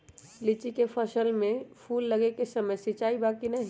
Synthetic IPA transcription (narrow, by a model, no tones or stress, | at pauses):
lɪt͡ʃikepʰəʃəlmẽpʰuːlːɐɡekesɐməjsɪt͡ʃaːibaːkinɐɦĩ